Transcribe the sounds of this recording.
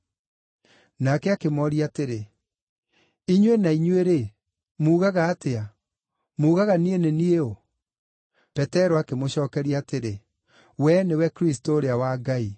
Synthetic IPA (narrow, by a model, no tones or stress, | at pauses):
nakɛakemɔɾiateɾe | iɲwenaiɲweɾe | muːɣaɣaːtea | muːɣaɣanienenieo | pɛtɛɾɔakemoɕɔːkɛɾiateɾe | wɛnewɛkɾistoːɾeawaɡai